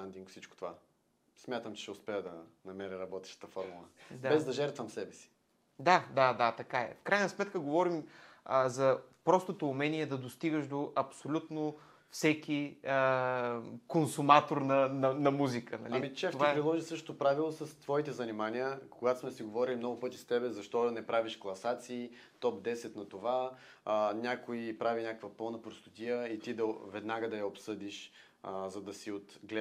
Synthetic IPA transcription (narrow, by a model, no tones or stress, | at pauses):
t̪and̪iŋkfsit͡ʃko̥t̪ova̰ | smʲat̪əmt͡ʃɛ̥ʃɛʊspɛəd̪ɐnɐmɛɾʲiɾɐbɔt̪ɛ̥ʃt̪ə̥t̪əfɔɾmulˠəd̪abɛzd̪ɐʒɛɾt̪vɐmsɛbɛsi̥ | d̪ad̪ad̪at̪ɐkaɛ̰fkɾajnɐsmɛt̪kəɡovɔɾiməzɐpɾɔst̪ot̪oːmɛniɛd̪ɐd̪ost̪iɡəʃd̪oʔɐpsolʲut̪no | fsɛkʲiə | konsumat̪oɾnɐnɐnɐmuzikʰənɐ̰lɐimit͡ʃɛft̪ovvapɾilˠɔʒisɤʃt̪o̥t̪opɾavilˠosəst̪vɔit̪ɛzɐnimanijəkoɡat̪o̥smɛsiɡovɔɾilʲimnɔɡʊpɤt̪ist̪ɛbɛzɐʃt̪ɔnɛpɾaviʃklˠɐsat̪siː | t̪ɔp̚d̪ɛsɛt̪nɐt̪ova | nʲakoipɾavinʲakəkvɐpɤlˠnɐpɾost̪ɐt̪ʲijəit̪id̪ɐvɛd̪naɡəd̪ɐjɐopsɤd̪iʃ | zɐd̪ɐsiot̪ɡlɛ